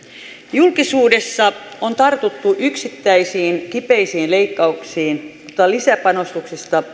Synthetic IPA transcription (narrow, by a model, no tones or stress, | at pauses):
julkisuːdesːɑont̪ɑrt̪ut̪ːuʔyksit̪ːæisiːnkipeisiːnle̞ikːɑuksiːnjot̪ːɑlisæpɑno̞st̪uksist̪ɑ